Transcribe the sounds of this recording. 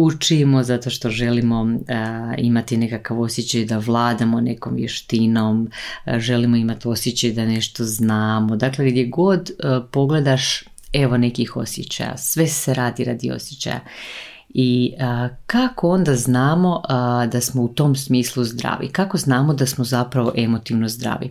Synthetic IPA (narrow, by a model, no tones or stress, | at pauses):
ut͡ʃimo̞zat̪o̞ʃt̪o̞ʒe̞limo̞ | ḭmat̪ine̞kakaʋo̞sjet͡ɕajd̪aʋlˠaːd̪amone̞ko̞ːmʋjḛʃt̪inomʒe̞limoimat̪io̞sjet͡ɕajd̪ane̞ʃt̪o̞znaːmo̞d̪akle̞ɡd̪je̞ɡo̞d̪po̞ɡle̞d̪aʃ | e̞ʋo̞ne̞kixo̞̰sjḛt͡ɕa̰ja̰sʋe̞seɾaːd̪iɾa̰d̪ḭo̰sjet͡ɕa̰ja̰ | iəkako̞o̞nd̪aznaːmo̞d̪asmo̞ut̪o̞msmiːslˠuzd̪ɾa̰ːʋḭkakoznaːmod̪asmo̞zapɾaʋo̞ʔe̞mo̞t̪iʋnozd̪ɾa̰ʋḭ